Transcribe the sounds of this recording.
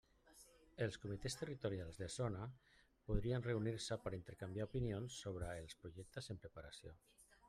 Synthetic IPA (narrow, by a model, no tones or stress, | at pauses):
əlˠskumit̪est̪ərit̪uɾjalˠzðəsona | puð̞ɾiənreuniɾsəpəɾint̪əɾkambiaupinionsːoβ̞ɾəːlˠspɾuʒɛk̚t̪əzəmpɾəpaɾasjo̰